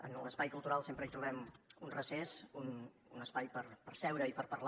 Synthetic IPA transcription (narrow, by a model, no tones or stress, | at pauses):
ə̰nləspajkulˠt̪uɾalˠsempɾəit̪ɾuβɛmunrəsezun | unəspajpəɾpəɾsɛwɾəipəɾpərl